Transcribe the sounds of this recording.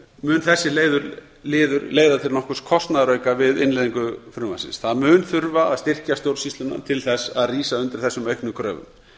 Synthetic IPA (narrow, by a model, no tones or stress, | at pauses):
mʏːnθɛsːɪleːjðʏɾ | lɪːðʏɾleːjðat̪ʰɪlnɔhkʏskʰɔst̪naðɾœɥkavɪðɪnleːðiŋkʏfɾʏma̰sɪ̰nsθaðmʏːnθʏɾvaaðst̪ɪr̥cast̪jowɾsist̪lʏna̰t̪ʰɪlθɛsaðriːsaʏnt̪ɪɾ̥θɛsːʏmœɥjknʏkʰɾœ̰ːvʏ̰m